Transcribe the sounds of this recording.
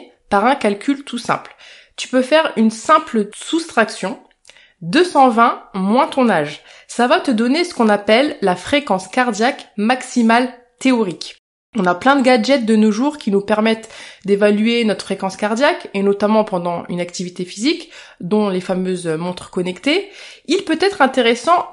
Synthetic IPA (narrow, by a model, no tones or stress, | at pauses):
paʁɛ̃kalkʲʰylt̪ʰusɛ̰̃pl | t̪y̥pøfɛʁynsɛ̃pləsust̪χaksjɔ̃ | d̪øsɑ̃vɛ̃mwɛ̃t̪ɔ̃naʒsavat̪əd̪ɔnesə̥kɔ̃napɛlːafχekɑ̃skaʁd̪jakmaksimal | t̪eɔʁik | ɔ̃naplɛ̃d̪əɡad͡ʒɛt̪̚d̪ənoʒuʁkʲinupɛʁmɛt̪d̪evalyenɔt̪χfχekɑ̃skaʁd̪jakenɔt̪amɑ̃pɑ̃d̪ɑ̃y̰nakt̪ivit̪efizik | d̪ɔ̃lefamøzmɔ̃t̪χə̥kɔnɛkt̪e | ilpøt̪ɛt̪χɛ̃t̪eʁesɑ̃